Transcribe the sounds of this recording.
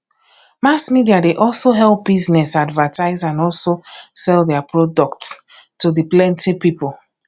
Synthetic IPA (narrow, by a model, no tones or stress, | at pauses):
masmidiadeʔɔlˠsoɦɛlˠp̚biznɛsadvətaɪzãnɔlˠsosɛlˠdɛapʰɹɔdɔkts | tudiplɛ̃ntipipolˠ